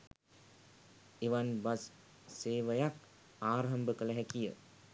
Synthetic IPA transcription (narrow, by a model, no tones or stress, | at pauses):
eʋanbas | seːʋəjak | aːɾɦambəkələɦɛkijə̰